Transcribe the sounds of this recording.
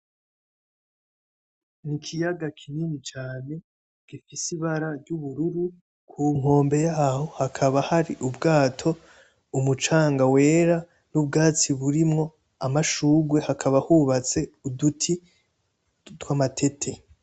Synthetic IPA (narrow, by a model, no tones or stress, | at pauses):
nikʰijaɡakʰiniːnit͡ʃaːne̞ | ɡ̥ifisiβaɾaɾɟuβuɾuɾu | kʰuŋ̥ho̞ːmbe̞jaːho̞hakʰaβahaɾiʔubɡaːtʰo̞ | umut͡ʃaːŋɡawe̞ːɾa | nubɡaːt͡siβuɾimŋo̞ | amaʃuːɡwehakʰaβahuβat͡se̞udutʰi | twamatʰe̞tʰe̞